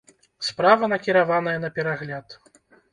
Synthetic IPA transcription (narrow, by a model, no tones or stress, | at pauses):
spɾavɐnɐkʲiɾavanɐjɛnɐpʲɛɾaɣlʲat̪